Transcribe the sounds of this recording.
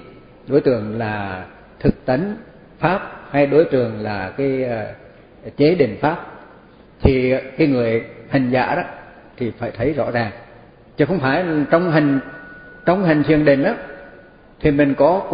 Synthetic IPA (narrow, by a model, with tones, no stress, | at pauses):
ɗo˨˦jt̪ɨ˨˩əŋlaː˨˩ | t̪ʰɨ˨˩k̚t̪ə˨˦n | faː˦˥p̚ha˧jɗo˨˦jt̪ɨ˨˩əŋlaː˨˩kaː˨˦j | t͡ɕe˨˦ɗḭ˧˩ŋ̟faː˦˥p̚ | t̪ʰi˨˩kaː˨˦jŋɨ˨˩əjha˨˩ŋ̟za̰ː˧˩ɗɔ˨˦ | t̪ʰi˨˩faː˧˩jt̪ʰə˨˦jzɔ̰˧˥zaː˨˩ŋ | t͡ɕɨ˨˦xə˧wŋ͡mfaː˧˩jt͡ɕɔ˧wŋ͡mɦa˨˩ŋ̟t͡ɕə˧wŋ͡mɦa˨˩ŋ̟t̪ʰi˨˩əŋɗe˨˩nʔaː˨˦ | t̪ʰi˨˩mï˨˩ŋkɔ˨˦